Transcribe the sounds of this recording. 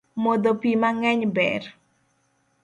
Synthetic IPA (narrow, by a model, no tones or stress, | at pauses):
mod̪opimaŋɛɲbɛ̰r